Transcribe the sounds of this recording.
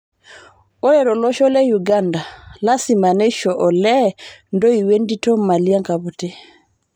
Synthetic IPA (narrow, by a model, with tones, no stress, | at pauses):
o˦ɾe˨ɾɔ˨lɔ˦ʃɔ˦lɛ˦ju˨ɡanda˨la˦si˨ma˨ne˦ʃɔ˨ʔɔ˨lɛ˦ndo˦i˨we˦ndi˦tɔ˦ma˨li˦a˦ŋka˨bu˨te˦